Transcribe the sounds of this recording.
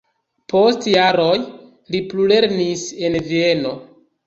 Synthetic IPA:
pʰo̞stjaɾo̞j | liplule̞ɾnise̞nvie̞no̞

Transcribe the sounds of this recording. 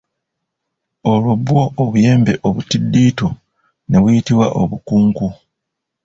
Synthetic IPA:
o̞lwobwo̞ːβuje̞ːmbe̞ʔoβutidːiːto | ne̞βujitiβwaʔoβukuːŋku

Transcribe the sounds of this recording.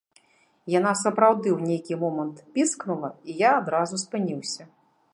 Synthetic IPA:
jan̪asɐpɾawd̪ɨwnʲejkʲimɔmɐnt̪pʲisknulˠɐijaːd̪ɾazuspɨnʲiwsʲɐ

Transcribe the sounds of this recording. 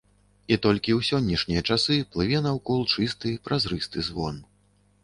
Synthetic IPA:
it̪ɔlʲkʲiwsʲɔnʲːɛʂnʲijɐt͡ʂasɨplˠɨvʲɛnɐwkɔlˠt͡ʂɨst̪ɨpɾʔazɾɨst̪ɨzvɔ̰n

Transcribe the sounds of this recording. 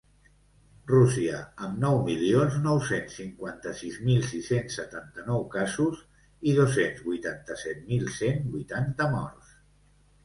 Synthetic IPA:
rusiəəmnɔwmilionznɔwsensːiŋkwant̪əsizmilˠsisensːət̪ant̪ənɔwkazuz | ið̞osenzβujt̪ant̪əsɛt̪̚milˠsenbujt̪ant̪əmɔ̰ɾs

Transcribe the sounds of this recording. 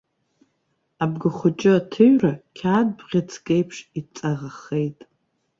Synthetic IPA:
abɡɨχʷʊt͡ʃʼɪatʰɨɥrakʲʰaːd̚bʁʲat͡sʰkʼejpʰʂit͡sʼaʁaχejtʼ

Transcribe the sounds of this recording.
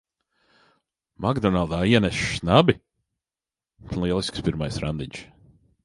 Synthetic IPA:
maɡd̪ɔnalˠd̪aːiɛnɛʃʃnabi | lˠiɛlˠiskspiɾmajsɾa̰nd̪iɲʃ

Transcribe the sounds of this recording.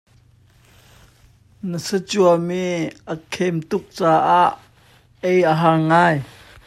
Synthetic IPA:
nəsət͡suɐmiʔəkʰɛmt̪ʊk̚t͡saːʔaʔ | ejʔəɦaŋŋaːj

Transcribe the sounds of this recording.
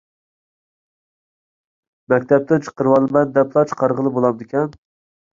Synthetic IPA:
mɛkʲt̪ʰɛp̚t̪ʰɪnt͡ʃʰə̥qəɾwɑlˠɨmɛnd̪ɛpʰlˠɑt͡ʃʰə̥qʰɑɾʁəlˠɨbolˠɑmd̪ɪkʲɛn

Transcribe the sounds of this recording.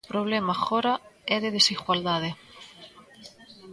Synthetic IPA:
pɾoβ̞lemaxɔɾaɛðeðesiɣwald̪að̞e

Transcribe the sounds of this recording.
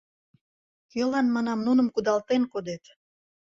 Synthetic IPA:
kølɑnmɑnɑmnunə̆mkud̪ɑlt̪enkod̪et̪

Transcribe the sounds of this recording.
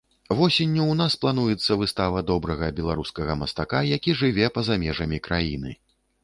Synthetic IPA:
vɔsʲenʲːuwnasplˠan̪ujɛt̪sːɐvɨst̪avɐd̪ɔbɾɐɣɐbʲɛlˠaɾuskɐɣɐmɐst̪akajakʲiʐɨvʲɛpɐzamʲɛʐɐmʲikɾajinɨ̰

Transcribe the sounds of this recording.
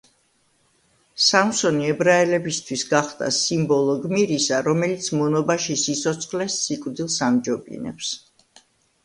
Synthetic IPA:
samsɔniɛbɾaɛlɛbist̪ʰwisɡaχd̪a̰simbɔlˠɔɡmiɾisaɾɔmɛlit̪sʰmɔnɔbaʃisit̪sʰɔt̪sʰχlɛsːikʼvd̪ilˠsamd͡ʒɔbḭnɛ̰ps

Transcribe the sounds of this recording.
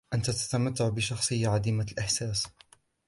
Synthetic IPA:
ʔant̪at̪ḁt̪amat̪ːaʕbɪʃɑxsˤɨjːaʕad̪iːmalʔɪħsaːs

